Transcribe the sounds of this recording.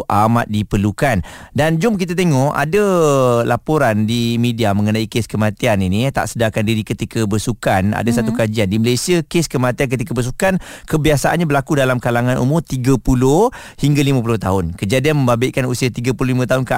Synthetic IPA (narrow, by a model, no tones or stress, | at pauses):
ʔamat̪̚dipərlukandand͡ʒʊmk̬it̪̬at̪eŋɔʔa̰dalapoɾandimidiamə̃ŋənaikeskəmat̪ianinit̪a̰ʔsədakandiɾikət̪ikabəsukana̰dasat̪ukad͡ʒiandiməlasiakeskəmat̪iank̬ət̪ikabəs̬ukankəbiasaʔa̰nɲabəlakudalamkalaŋanʔṵmʊrt̪iɡapulʊ | hiŋɡalimãp̬ulʊht̪aɦʊnkəd͡ʒadianmə̃mbabɪʔ̚kanusiat̪iɡapululimãt̪̬aɦʊnka